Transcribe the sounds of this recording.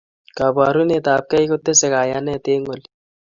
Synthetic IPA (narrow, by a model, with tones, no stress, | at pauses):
ka˨baː˨ɾu˦net̪aːp̚kɐ˦ikot̪ːe˦se˨kaː˨ja˦nɛ˦t̪eːŋɡol